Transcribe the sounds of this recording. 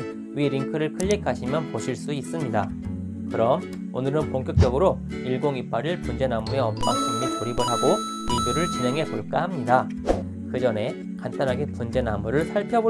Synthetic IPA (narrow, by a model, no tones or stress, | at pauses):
wɥiɾiŋkʰɯɾɯɭkʰɯʎːikʰaɕʰimjʌnpoɕʰiɭs͈uis͈ɯmɲida | kɯɾʌm | o̰nɯɾɯnpoŋk͈jʌk̚t͡ɕ͈ʌɡɯɾo | iɭɡoŋip͈aɾiɭpund͡ʑe̞namue̞ʌmp͈aŋtaŋmikuɾibɯɾɦaɡo | ibuɾɯɭt͡ɕine̞ŋɦe̞poɭk͈aɦamɲida | kɯd͡ʑʌne̞ | kant͈anɦaɡe̞pund͡ʑe̞namuɾɯɭsʰaɭpʰjʌbo